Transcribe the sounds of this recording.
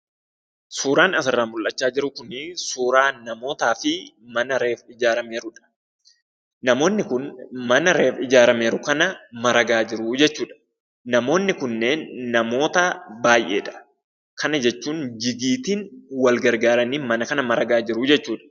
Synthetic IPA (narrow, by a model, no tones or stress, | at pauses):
suːɾaːnɐsɐrːaːmʊlʔɐt͡ʃːaːd͡ʒɪɾʊkʊnɪsuːɾaːnɐmo̞ːt̪aːfɪ | mɐnɐɾe̞ːfɪd͡ʒaːɾɐme̞ːɾʊᶑɐ̥ | nɐmo̞ːnːɪkʊnmɐnɐɾe̞ːfɪd͡ʒaːɾɐme̞ːɾʊkɐnɐmɐɾɐɡaːd͡ʒɪɾʊd͡ʒɛt͡ʃːuːᶑɐ̥ | nɐmo̞ːnːɪkʊnːe̞ːnːɐmo̞ːt̪ɐbaːjʔe̞̰ːᶑɐ̥ | kʰɐnɐd͡ʒɛt͡ʃːuːnd͡ʒɪɡiːt̪iːnwɐlɡɐɾɡaːɾɐniːmɐnɐkɐnɐmɐɾɐɡaːd͡ʒɪɾʊd͡ʒɛt͡ʃːuːᶑɐ̥